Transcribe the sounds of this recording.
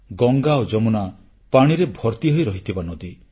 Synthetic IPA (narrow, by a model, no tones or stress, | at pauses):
ɡɔŋɡaod͡ʒɔmuna | paɽ̃iɾebʱɔɾt̪iɦɔjɾɔɦit̪ʰibanɔd̪i